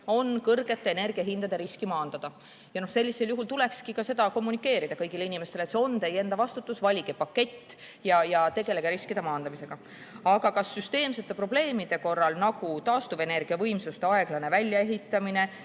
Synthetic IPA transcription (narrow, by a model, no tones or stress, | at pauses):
o̞nkɤrɡ̥e̞t̪ːeːne̞rɡ̥iɑɦind̪ɑd̪e̞ɾiskimɑːnd̪̥ɑd̪̥ɑ | jɑno̞hse̞lʲːise̞ljuɦult̪ule̞kskikɑse̞d̪ɑko̞mːunikːˑe̞ːɾid̪ɑkɤjɡ̥ile̞inime̞st̪e̞let̪seo̞nd̪eje̞nd̪̥ɑvɑst̪ut̪ːˑusvɑlʲiɡepɑkːe̞t̪ʲː | jɑjɑt̪e̞ɡ̥e̞le̞ɡ̥eɾiskid̪emɑːnd̪ɑmise̞ɡ̥ɑ | ɑɡ̥ɑkɑsːyst̪e̞ːmse̞t̪ːˑe̞pro̞b̥le̞ːmid̪̥e̞ko̞rːɑlnɑɡ̥ut̪ɑːst̪uve̞ne̞rɡ̥iɑvɤ̞jmsust̪eɑe̞ɡ̥lɑne̞vælʲjɑe̞ɦit̪ːˑɑmine̞